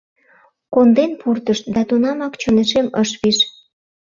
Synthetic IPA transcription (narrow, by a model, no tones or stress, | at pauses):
kond̪enpʰurt̪əʃt̪̚d̪ɑt̪unɑmɑkt͡ɕoneʃeməʃβiʃ